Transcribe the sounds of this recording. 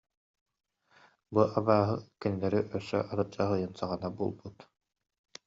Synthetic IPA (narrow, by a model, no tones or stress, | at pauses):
buʔabaːɦɯkɛnilɛɾiʔœsːœ̰ʔaɾɯd͡ʒaɦɯjɯnsaʁanabuːlˠbut̪